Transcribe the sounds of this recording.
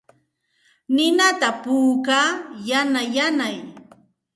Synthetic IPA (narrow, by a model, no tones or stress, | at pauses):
nɪnat̪apuːkaːjanajanaj